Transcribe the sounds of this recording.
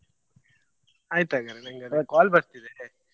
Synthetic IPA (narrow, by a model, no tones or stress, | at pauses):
aːjt̪aːɡɐɾenɐŋɡɐd̪kaːlbɐɾt̪id̪e